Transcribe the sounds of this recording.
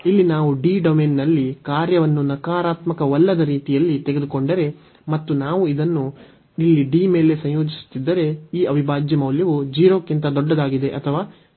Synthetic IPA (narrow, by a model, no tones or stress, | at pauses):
ilːinaːʋuɖiːɖɐmeːnnɐlːikaːɾjɐʋɐnːunɐkaːɾaːt̪mɐkɐʋɐlːɐd̪ɐɾiːt̪ijɐlːit̪eɡe̞d̪uko̞ɳɖɐɾe̞ | mɐt̪ːunaːʋuid̪ɐnːu | ilːiɖime̞ːle̞sɐ̃ɲ̃joːd͡ʒisu̥t̪ːid̪ːɐɾe̞iːɐʋibʱaːd͡ʒjɐmɐwljɐʋud͡ʒiːɾoːkːint̪ɐd̪ɔɖːɐd̪aːɡid̪e̞ʔɐt̪ʰɐʋaː